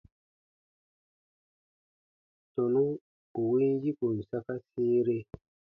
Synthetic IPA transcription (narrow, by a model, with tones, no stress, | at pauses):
to˨nu˦ | u˨wi˦nji˦ku˨n̩˨sa˦ka˦siː˦ɾe˦